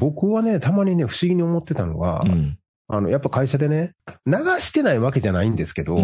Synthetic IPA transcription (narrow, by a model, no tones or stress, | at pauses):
bo̞kɯ̟βane̞t̪amaɲ̟ine̞ɸɯ̟̥ɕiɡʲiɲ̟io̞mo̞t̪ːe̞t̪ano̞̰ɡa̰ | a̰no̞japːakaiɕad̪e̞ne̞naɡaɕi̥t̪e̞naiβake̞ʑanaĩnd̪e̞sɨ̥ke̞d̪o̞